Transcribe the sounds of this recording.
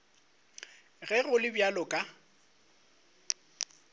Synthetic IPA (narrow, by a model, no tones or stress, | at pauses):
ɣɛɣʊlɪbjalʊkʼa